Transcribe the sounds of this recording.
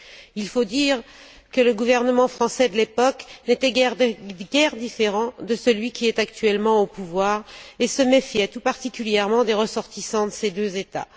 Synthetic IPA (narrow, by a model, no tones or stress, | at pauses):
ilfod̪iːʁ | kələɡuvɛʁnəmɑ̃fχɑ̃sɛd̪əlepɔknet̪ɛɡɛʁɡɛʁd̪ifeʁɑ̃d̪əsəlɥikʲiɛt̪akt̪ɥɛlmɑ̃opuvwaːʁesəmefjɛt̪upaʁt̪ikʲyljɛʁmɑ̃d̪eʁəsɔʁt̪isɑ̃d̪əsed̪øzet̪a̰